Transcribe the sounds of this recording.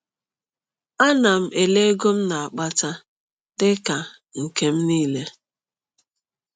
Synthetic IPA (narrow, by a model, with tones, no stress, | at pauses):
a˦na˨m̩˦e˨le˦ɡo˦m̩˦na˨a˨k͡pa˦ta˦ | dɪ˦ka˨ | ŋ̩˨ke˦m̩˦niː˦le˦